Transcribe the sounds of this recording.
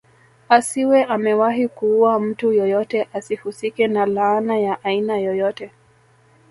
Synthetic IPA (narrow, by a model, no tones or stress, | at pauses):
asiwɛʔamɛwaɦikuːwam̩tujɔjɔtɛʔasihusikɛnalaːnajaʔainajɔjɔtɛ